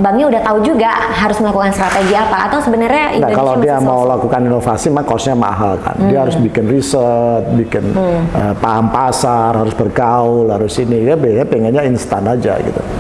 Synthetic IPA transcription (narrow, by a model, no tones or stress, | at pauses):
baŋɲaudaht̪aud͡ʒuɡaɦaɾʊsməlakukanst̪ɾat̪eɡiapa̰ːt̪awsəbənərɲaiɡakalawdiamaulakukaninofasimaŋkɔsɲama̰ɦalka̰ndiaɦaɾʊsbikɪnrisət̪̚bikɪnəpaɦampasarɦaɾʊsbərɡaʊlhaɾʊsinidabiaɲapeŋɡaɲainst̪anad͡ʒa̰ɡḭt̪ṵ